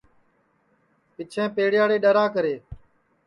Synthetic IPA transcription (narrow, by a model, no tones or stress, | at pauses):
pɪt͡ʃʰẽːpeːɽɪjaːɽeːɗəɾãːkəɾeː